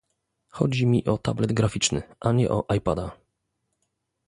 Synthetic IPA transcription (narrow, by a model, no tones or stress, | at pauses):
xɔd͡ʑimʲiʔɔt̪ablɛd̪ɡɾafʲit͡ʂnɘ̰ʔaɲɛ̰ʔɔʔajpad̪a